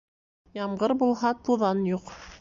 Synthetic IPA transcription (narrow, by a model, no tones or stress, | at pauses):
jɑmɢɤɾbulˠɦɑt̪uðɑnjuq